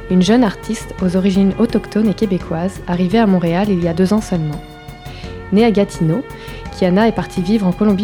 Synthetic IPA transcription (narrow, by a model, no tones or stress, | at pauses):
ynʒœnaʁt̪ʰist̪ozɔʁiʒinɔt̪ɔkt̪ɔnekʲebekʰwazaʁiveamɔ̃ʁealilijad̪øzɑ̃sœlmɑ̃ | neaɡat̪ʰino | kʲianaɛpaʁt̪ʰivivʁɑ̃kɔlɔ̃bi